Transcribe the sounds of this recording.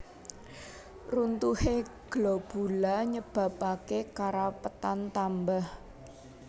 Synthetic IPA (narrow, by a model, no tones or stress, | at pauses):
runt̪uheɡ̥lɔb̥ṳlaɲəb̥a̤pakekaɾapət̪ant̪ambah